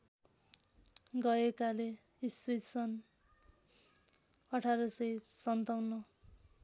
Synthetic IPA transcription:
ɡʌekale | iswit̪sʌn | ʌʈʰaɾʌsʌjsʌnt̪awnʌ

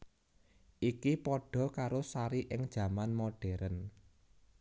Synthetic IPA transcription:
ʔikipɔɖ̥ɔ̤kaɾosaɾiʔɪŋd̥ʒ̥ä̤manmoɖ̥ɛɾən

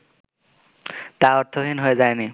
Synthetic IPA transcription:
t̪aɔɾt̪ʰɔɦinɦojzajni

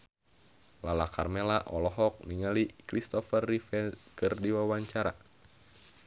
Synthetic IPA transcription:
lalakarmelaʔɔlɔɦɔk̚niŋalikɾist̪ɔfərːifɛkɨrdiwawaɲt͡ʃaɾa

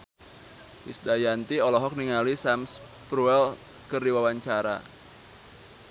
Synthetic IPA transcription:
wisdajant̪iɔlɔɦɔk̚niŋalisams | pɾuɛl | kərdiwawaɲt͡ʃaɾa̰

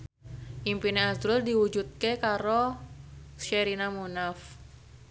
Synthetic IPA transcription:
ʔimpineasɾʊldiwud͡ʒut̪̚kekaɾo | ʃeɾinamunaf

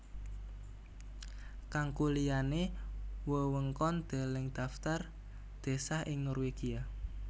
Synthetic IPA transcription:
kaŋkulijanewəwəŋkɔnd̪̥a̤lɪŋd̪̥a̤ft̪ar | d̪̥e̤sahʔɪŋnɔrweɡ̥ia

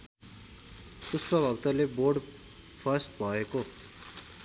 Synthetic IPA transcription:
suspʌbʱʌɡt̪ʌleborɖ | pʰʌrsʈbʱʌeko

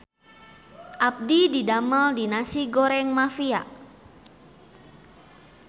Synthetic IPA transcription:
ʔap̚dididaməldinasiɡoɾɛŋmafia̰ʔ

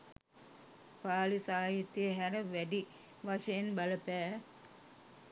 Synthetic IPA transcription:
paːlisaːjit̪jəɦæɾəʋæɖi | ʋaʂəjenbɐləpæː

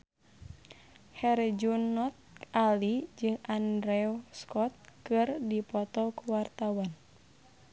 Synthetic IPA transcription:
hɛrd͡ʒunɔt̪̚alid͡ʒɨŋʔandɾɛɔskɔt̪̚kɨrdipɔt̪ɔkuwart̪awan

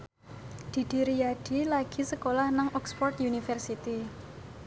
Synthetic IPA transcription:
d̪̥i̤d̪̥i̤ɾijaɖ̥i̤laɡ̥i̤səkolahnaŋʔɔkspɔrt̪junifərsit̪i

